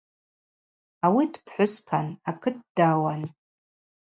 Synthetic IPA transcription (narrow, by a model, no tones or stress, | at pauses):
awidpʰħʷʊspʰanakʰɨt̚daːwan